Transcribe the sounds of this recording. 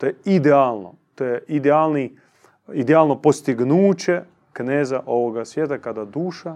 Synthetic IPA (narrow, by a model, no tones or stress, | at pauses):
t̪ojeid̪eaːlˠno̰ | t̪ojeʔid̪eaːlni | id̪eaːlno̞post̪iɡnuːt͡ɕe | kneːzaʔo̞ʋoɡasʋjeːt̪akad̪ad̪uːʃa